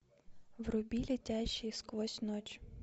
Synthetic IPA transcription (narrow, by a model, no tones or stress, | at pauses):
wrʊbʲilʲitʲaʃiskʋˠɔsʲnɔt͡ʃ